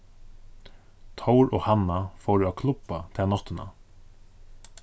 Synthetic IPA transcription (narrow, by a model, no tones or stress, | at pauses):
t̪ʰawɾɔ̰ːhanafoːɾʏakʰlʊpːat̪ʰɪanɔht̪ɪna̰